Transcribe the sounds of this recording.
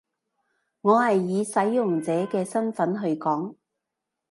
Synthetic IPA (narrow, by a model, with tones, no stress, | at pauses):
ŋɔː˨˧hɐ˨jːiː˨˧sɐ˨˥jːʊ˨˩ŋt͡sɛː˨˥kɛː˧sɐ˥nfɐ˨˥nɦɵ˧ɥkɔː˨˥ŋ